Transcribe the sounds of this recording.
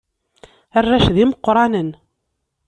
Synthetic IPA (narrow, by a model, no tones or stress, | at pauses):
ərːæʃðiməqːɾˤɑnən